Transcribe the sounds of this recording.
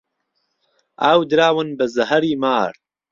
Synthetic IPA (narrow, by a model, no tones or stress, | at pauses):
ʔaːwd̪ɨɾaːwɨnbɨzɐɦɐɾiːmaːɾ